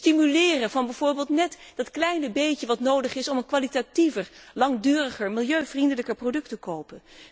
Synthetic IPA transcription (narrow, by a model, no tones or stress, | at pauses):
stimylɪːrəvɑnbɛjv̥ʊːɹbeːlˠtnɛtdɑtklɛjnəbejcəʋɑtnowdəχɪsɔmənkʋalitativəɹlɑŋdyːrəχəɹmɪlˠjøɥvrindələkəɹprodɵk̚təkowpən